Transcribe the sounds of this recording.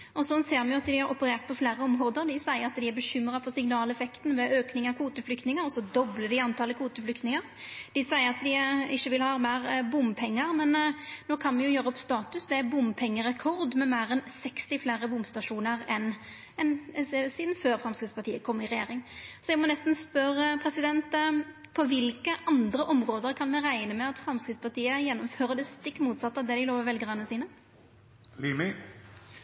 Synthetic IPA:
ɔsɔnseːɾmɛjʊɑt̪d̪ɪhɑɾɔpəɾeːʁt̪̚pʰɔfleːɾəɔmɾoːd̪əɾd̪ɪsæɪəɾɑt̪d̪ɪæɾbəɕʏmɾɑfɔsɪŋnɑːlɛfɛkt̪n̩ʋɛʔøːknɪŋɑkʰuːt̪əflʏkt̪nɪŋəɾɔsɔd̪ɔbləd̪ɪɑnt̪ʰɑːləkʰuːt̪əflʏkt̪nɪŋəɾd̪̥ɪsæɪəɾɑt̪d̪ɪɪçːəʋɪlhɑmæːɾbʊmpʰɛŋːəɾmɛnnoːkʰɑnmɛnjʊjøːɾəɔpst̪ɑːt̪ʉsd̪ɛæbʊmpʰɛŋːəɾɛkʰɔɾd̪mɛmæːɾɛnsɛkst̪ɪfleːɾəbʊmst̪ɑʂuːnəɾɛn | ɛnɛsɛsiːd̪n̩føːɾfɾɑmskɾɪt̪spɑʁt̪iːəkʰɔmːɪʁɛjḛːɾɪŋsɔjɛɡmɔnɛst̪n̩spœɾəpʰɾɛsɪd̪ɛnt̪pʰɔʋɪlkəʔɑnd̪ɾəʔɔmɾoːd̪əɾkʰɑnmɛʁæɪnəmɛɑt̪fɾɑmskɾɪt̪spɑʁt̪iːəjɛnːɔmføːɾəd̪ɛst̪ɪkːmuːt̪sɑt̪ːɑd̪ɛd̪ɪloːʋəʋɛlɡʁɑːnːəsiːnə | limɪ

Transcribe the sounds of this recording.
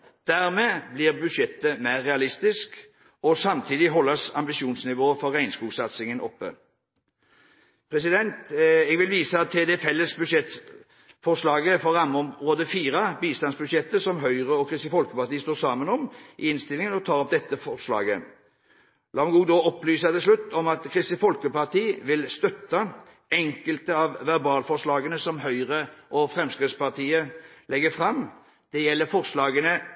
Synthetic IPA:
d̪̥æʁmeːblɪʁbʉʃɛt̪ːəmæɪʁːɛɑlɪst̪ɪsk | ɔsɑmt̪ʰiːd̪ɪɦɔlːəsɑmbɪʃuːnsnɪʋoːfɔɾæɪnskuːsɑt̪sɪŋənʔɔpːə̰ | pʰɾɛsɪd̪ɛnt̪ɛɡʋɪlʋiːsəɑt̪ʰːɛd̪ɛfɛlːəsbʉʃɛt̪ | fɔslɑːɡəfɔɾːɑmːɔmʁoːd̪əfiːʁɑbiːst̪ɑnsbʉʃjɛt̪ːəsɔmɦœʏʁəɔkʰʁɪst̪ifɔlkəpɑt̪iːəst̪oːsɑːmənɔmʔɪɪnst̪ɪlɪŋənɔt̪ʰɑːɾɔp̚d̪ɛt̪ːəfɔʁʂlɑ̰ːɡə | lɑːmɡuːd̪ɔɔpːlyːsɑt̪ɪlslʉt̪ːɔmɑt̪kʰʁɪst̪ɪfɔlkəpɑʁt̪ʰiːʋɪlst̪œt̪ːɑ | ɛŋkəlt̪əɑʋʋɛʁbɑːlfɔʂɭɑːɡənəsɔmɦœʏʁəʔɔfɾɛmskɾɪt̪spɑʁt̪ʰiːəlɛɡəfɾɑm | d̪̥ɛjɛlːəfɔʁslɑːɡənə

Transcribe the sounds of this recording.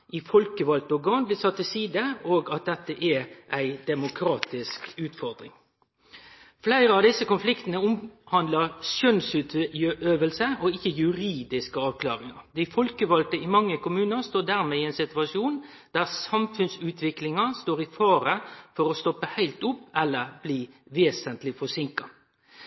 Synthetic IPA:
ɪfɔlkəʋɑlt̪əɔɡɑːnblɪːsɑt̪ːɪlsiːd̪əoːɡɑt̪̚d̪ɛt̪ːəʔæʔæɪd̪ɛmʊkʰɾɑːt̪ɪskʉːt̪fɔɾd̪ɾɪŋ | flæɪɾəɑʋd̪ɪsːəkʊnflɪkt̪ənəʊmhɑnd̪ləʁʃœnsʉːt̪øøːʋəlsəʔɔɪçːəjʉɾiːd̪ɪskəɑːʋkʰlɑ̰ːɾɪŋɑ̰ɾd̪ɪfɔlkəʋɑlt̪əɪmɑŋːəkʊmʉːnəɾst̪oːɖ̪æːʁmeːɪæɪnsɪt̪ʉɑʂjuːn | d̪̥æːʁsɑmfʉnsʉːt̪ʰʋɪklɪŋɑst̪oːʁɪfɑːɾəfɔɾɔst̪ɔpːəhæɪlt̪ʊpːɛlːəɾb̥liːʋeːsənt̪lɪfɔsɪŋkɑ

